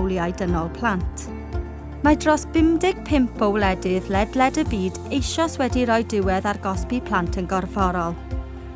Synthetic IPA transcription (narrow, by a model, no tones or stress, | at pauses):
wlˠjajdənɔlˠpʰl̥antʰ | madrɔsb̥ɪmdɪɡ̥̚pʰɪmpʰowlɛdɪðlɛdlɛdəbiːd | ejʃɔswɛdiɾɔjdɪwɛðarɡɔspipʰl̥ˠantʰənɡɔrvɔɾɔlˠ